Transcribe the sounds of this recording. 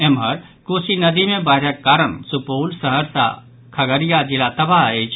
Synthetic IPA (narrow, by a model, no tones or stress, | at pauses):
emɦɐɾ | koːsinɐd̪imẽbaɦɪɾəkkːaːɾənsupoːlsɐɦəɾsa̰ | kʰɐɡəɾijad͡ʒɪlat̪ɐbaɦet͡ʃʰ